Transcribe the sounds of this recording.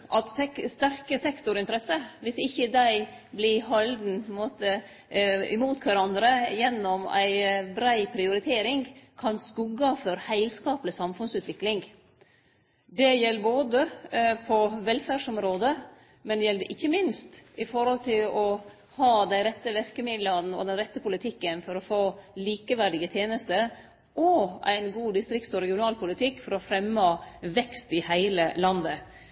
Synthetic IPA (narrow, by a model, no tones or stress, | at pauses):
ʔɑt̪ɛst̪æɾkəsɛkt̪ʊɾɪnt̪əɾɛsəʋɪsɪçːəd̪æɪblɪɦɑld̪n̩pʰɔnmoːt̪ə | ɪ̰muːt̪kʰʋæɾɑnd̪ɾəjɛnːɔmæ̰ɪbɾæɪpʰɾɪʊɾɪt̪ʰeːɾɪŋkʰɑnskʉɡɑfœɾhæɪlskɑːpləsɑmfʉnsʉːt̪ʰʋɪklɪŋ | d̪ɛjɛlːəboːd̪əpʰɔʋɛlfæːʂɔmɾoːd̪ə | mɛnd̪ɛjɛld̪ɛʔɪçːəmɪnst̪ɪfɔɾhɔlt̪ʰɪlɔ | hɑːd̪æɪɾɛt̪ːəʋɪɾkəmɪd̪lən̩ɔ̰d̪ɛnɾɛt̪ːəpʰʊlɪt̪ʰɪkːənfɔɾɔfoːliːkəʋæɖɪɡət̪ʰjeːnəst̪ə | ʔɔʔæ̰ɪnɡuːd̪ɪst̪ɾɪksɔɾɛɡɪʊnɑːlpʰʊlɪt̪ʰɪkːfɔɾɔfɾɛmːɑʋɛkst̪ɪhæɪləlɑnd̪ə